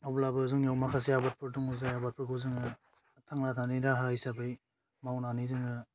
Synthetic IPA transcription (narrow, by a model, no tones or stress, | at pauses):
ablabɯzuŋjawmakʰas̬ijabat̚pɯɾduŋuzajabat̚pɯɡʰuzɯŋɯ | tʰaŋnatʰanidaɦajsabɯj | mawnanizɯŋɯ